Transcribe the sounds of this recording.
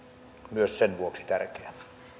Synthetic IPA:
myøssenʋuoksi̥t̪ærkeæ

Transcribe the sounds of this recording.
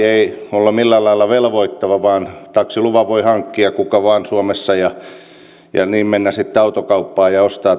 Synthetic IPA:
eiolːumilːælɑilːˑɑʋelʋoit̪ːɑʋɑʋɑːnt̪ɑksiluʋɑʋoihɑŋkːiɑkukɑʋɑːnsuomesːɑjɑ | jɑ̰niːmmenːæsit̪ːeɑut̪okɑupːɑːjɑost̪ɑː

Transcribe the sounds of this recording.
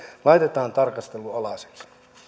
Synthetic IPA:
lɑit̪et̪ɑːnt̪ɑrkɑst̪eluɑlɑse̥ks

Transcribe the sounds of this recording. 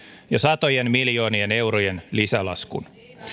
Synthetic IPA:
jɑsɑt̪o̞jenmiljo̞ːniene̞wɾojenlisælɑ̰skṵn

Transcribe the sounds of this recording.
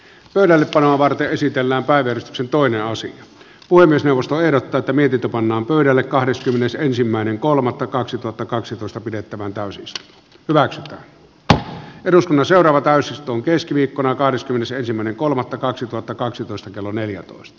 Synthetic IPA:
pøˑyɾælːeppɑnoɑʋɑrt̪eʔʔesit̪elːæːmpæˑiʋææryst̪yksent̪oˑeneʔɑsijɑ | puhemːiesneˑuʋˑost̪oehdot̪ːɑːet̪ːæmiet̪int̪øpɑnːɑːmpøˑyɾælːekkɑhdeskymːenesensimːæˑeneŋkolmɑt̪ːɑkɑksit̪uhɑt̪ːɑkɑksit̪oˑest̪ɑpidet̪ːæʋænt̪æˑysist̪o | hyʋæksyt̪æ̰ːn | eɾuskunːɑnseˑorɑːʋɑt̪æˑysist̪ˑoːŋkeskiʋiːkːonɑkɑhdeskymːenesensimːæˑeneŋkolmɑt̪ːɑkɑksit̪uhɑt̪ːɑkɑksit̪oˑist̪ɑkelːoneljæt̪o̰ˑestt̪ɑ̥

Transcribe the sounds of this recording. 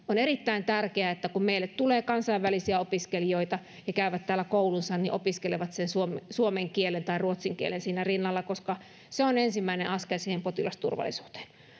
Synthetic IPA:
oneɾit̪ːæint̪ærkeæet̪ːækummeilːet̪t̪uleːkɑnsɑiʋʋælisiæopiskelijoit̪ɑ | jɑkæyʋæt̪t̪æːlːækoulunsɑnniʔopiskeleʋɑt̪sensuomsuomeŋkielent̪ɑiruot̪siŋkiḛlensiːnærinːɑlːɑkoskɑ | seonensimːæinḛʔɑskersiːhempot̪ilɑst̪ṵrʋɑ̰lˑisu̥ːt̪e̥n

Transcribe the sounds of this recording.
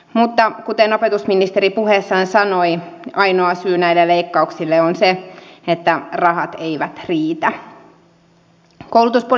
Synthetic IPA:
mut̪ːɑkut̪eno̞pe̞t̪usminist̪e̞ɾipuɦesːɑnsɑnojɑjnoɑsyːnæjlːelejkːɑuksilːeonseet̪ːærɑɦɑt̪eiʋæt̪riːt̪æ | kouwlut̪uspo

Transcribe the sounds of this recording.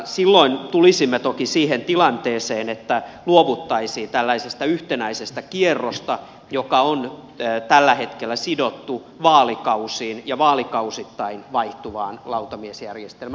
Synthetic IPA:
silːoint̪ulisimːet̪okisiːhent̪ilɑnt̪eːseːnet̪ːæluoʋut̪ːɑisiːnt̪ælːæisest̪æyht̪enæisest̪ækierːost̪ɑ | jokɑonː | t̪ælːæhet̪kelːæsidot̪ːu | ʋɑːlikɑusiːnjɑʋɑːlikɑusit̪ːɑinʋɑiht̪uʋɑːnlɑut̪ɑmiesjærjest̪elmæ

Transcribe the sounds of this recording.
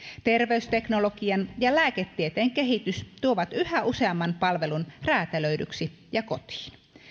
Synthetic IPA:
t̪erʋeyst̪eknolokiɑnjɑlæːket̪ːiet̪eːŋkeɦit̪yst̪uoʋɑt̪yhæʔuseɑmːɑnpɑlʋelunræːt̪æløydy̰ksi | jɑkot̪i̥ːn

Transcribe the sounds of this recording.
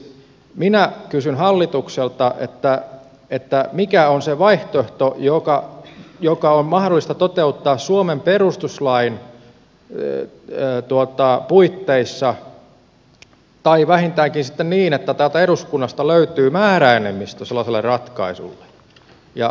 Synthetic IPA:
minækysynhɑlːit̪ukselt̪ɑʔḛt̪ːæ | et̪ːæmikæonseʋɑiht̪oeht̪ojokɑjokɑommɑhdolːˑist̪ɑt̪ot̪eut̪ːɑːssuomemperust̪uslɑin | t̪uot̪ɑpuit̪ːeisːɑ | t̪ɑiʋæhint̪æːŋkinsit̪ːenniːnet̪ːæt̪æːlt̪æeɾuskunːɑst̪ɑløyt̪yːmæːræenemːˑist̪æselːɑselːerrɑt̪kɑ̰isṵlːe̥ | jɑ̰

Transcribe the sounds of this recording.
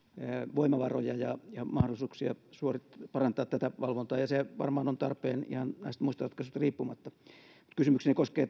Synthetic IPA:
ʋoimɑʋɑro̰jɑjɑjɑmɑhdolisuːksiɑ̰suorit̪pɑrɑnt̪ɑːt̪t̪æt̪æʋɑlʋont̪ɑːjɑseʋɑ̰rmɑːnont̪ɑrpˑeːnḭhɑnnæist̪muist̪ɑrɑt̪kɑset̪riːpːumɑt̪ːɑ | mut̪kysymyksinekoskeː

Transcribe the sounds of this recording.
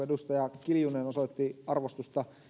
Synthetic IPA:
edust̪ɑjɑkiljuneːnosot̪ːiɑrʋost̪ust̪ɑ

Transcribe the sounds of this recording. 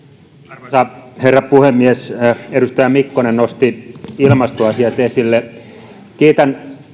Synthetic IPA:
ɑrmɑsɑherːɑpuhemːiesedust̪ɑjɑmikːonennost̪iilmɑst̪oɑsiɑt̪esilːe | kiːt̪æn

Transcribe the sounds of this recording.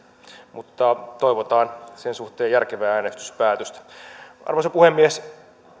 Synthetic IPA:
mut̪ːɑt̪oiʋot̪ɑːnsensuxt̪eːjjærkeʋæːæːnest̪y̥spæːt̪øst̪æ̥ɑ̰rʋosepuhemːies

